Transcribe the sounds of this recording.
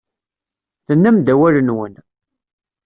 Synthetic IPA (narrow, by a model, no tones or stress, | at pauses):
θənːəmd̪æwælənwən